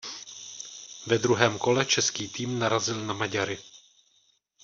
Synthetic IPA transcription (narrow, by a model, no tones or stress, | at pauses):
vɛd̪ɾuɦɛːmko̞lɛt͡ʃɛskiːt̪iːmnaɾazɪlnamaɟaɾɪ